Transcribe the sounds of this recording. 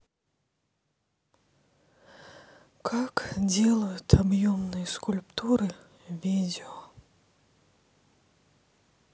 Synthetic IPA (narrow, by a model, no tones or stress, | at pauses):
kʰakd͡zʲɛlˠɐjʊt̪ʰabjɔmnɨjɐskulʲpt̪uɾɨ | vʲid͡zʲɛɔ